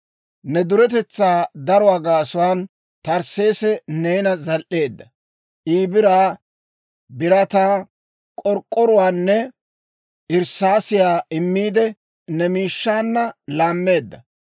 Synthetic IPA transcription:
nɛd̪ʊɾɛt̪̬ɛt͡sːaːd̪ɐɾɔwaːɡaːsʊwaːn | t̪ɐɾse̞ːsɛnejnɐzɐlʔe̞ːd̪ːɐ | ʔiːbɪɾaː | bɪɾɐt̪aː | kʼɔɾkʼːɔɾʊwaːnːɛ | ʔɪɾsaːsɪjaːɪmːiːd̪ɛ | nɛmiːʃːaːnːɐlaːmːe̞ːd̪ːɐ

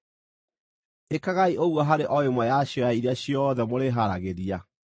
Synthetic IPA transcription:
ekaɣaiʔoɣwɔɦaɾeʔɔemɔjaɕjoaiɾeaɕjɔðɛmoɾeɦaɾaɣeɾia

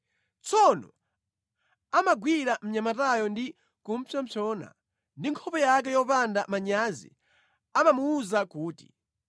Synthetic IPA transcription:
t͡sɔnɔ̰ | amaɡwiɾam̩ɲamatajɔndi | kum̩pʰɔmt͡ʃʰɔːna̰ | ndiŋkʰɔpɛjak̬ɛjɔpandamaɲazḭ | amamuːzakuːtḭ

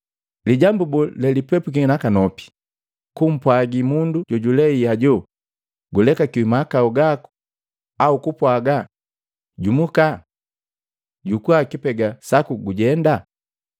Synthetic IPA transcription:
liɟambubulɛlipɛpukiŋinakanɔpi̥ | kum̩pwaɡimunduɟɔɟulɛiaɟɔ | ɡulɛkakiimakauɡaku̥ | aukupwaɡa | ɟumuka | ɟukuakipɛɡasakuɡuɟɛnda

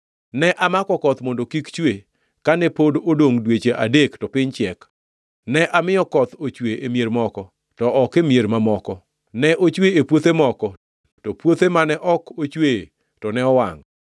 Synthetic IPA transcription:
nɛʔamakɔkɔt̪mondokikt͡ʃwe | kanɛpododoŋdwet͡ʃeʔadektɔpɪɲt͡ʃɛk | nɛʔamɪjɔkɔt̪ot͡ʃweʔemjeɾmɔkɔ | tɔʔɔkemjeɾmamɔkɔ | nɛʔot͡ʃweepwot̪emɔkɔ | tɔpwot̪emanɛʔɔkot͡ʃwe | tɔnɛɔwaŋ

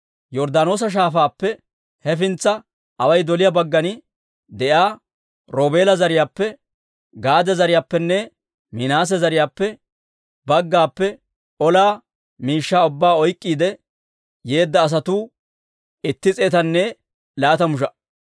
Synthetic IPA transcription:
jɔɾd̪aːno̞ːs̬ɐʃ̬aːfaːpːɛ | hɛfɪnt͡sːɐ | ʔɐwɐjd̪ɔlɪjabɐɡːɐnɪ | d̪ɛʔjaː | ɾoːbe̞ːlɐzɐɾɪjaːpːɛ | ɡaːd̪ɛzɐɾɪjaːpːɛnːɛ | mɪnaːs̬ɛzɐɾɪjaːpːɛ | bɐɡːaːpːɛ | ɔlaː | miːʃːaːʊbːaːɔjkʼːiːd̪ɛ | je̞ːd̪ːɐːs̬ɐt̪uː | ɪt̪ːɪt͡sʼeːt̪ɐnːɛ | laːt̪ɐmʊʃ̬ɐ

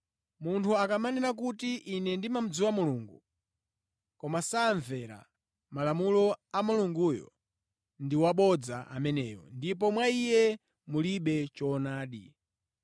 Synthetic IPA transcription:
muntʰuakamanɛnak̬utiʔinɛndimam̩d͡ziwamuluːŋɡṵ | kɔmasaːɱvɛɾa̰ | malamulɔamuluŋɡujɔ̰ | ndiwaɓɔd͡zaʔa̰mɛnɛːjɔ̰ndipɔmwaijɛ | muliɓɛt͡ʃɔnaːɗi

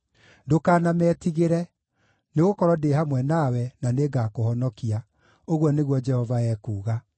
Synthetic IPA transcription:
dokaːnamɛːtiɣeɾɛ | neɣokɔɾɔdehamwɛnawɛnaneɡakohɔnɔkia | oɣwɔneɣwɔd͡ʒɛhɔvaɛːkuːɣa

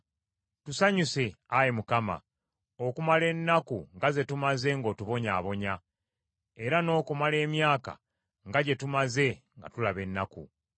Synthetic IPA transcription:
tusaɲuseajemukama̰ | okumale̞nːakuŋɡaze̞tumaze̞ŋɡo̞ːtuβo̞ɲaːβo̞ɲa | e̞ɾano̞ːkumale̞ːmjaːka̰ | ŋɡaɟe̞tumaze̞ŋɡa̰tulaβe̞nːakṵ

